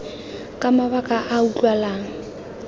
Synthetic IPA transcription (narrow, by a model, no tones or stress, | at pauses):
kʼamaβakʼaʔaut͡ɬʼwalaːŋ̩